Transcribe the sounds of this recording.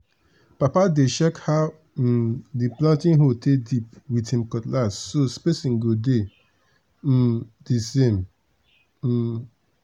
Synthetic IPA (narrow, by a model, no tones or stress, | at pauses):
papadeʃɛkhaʊ | diplãntĩnɦotedipwithĩmkɔtlasːospesĩŋ̩ɡode | disẽm̩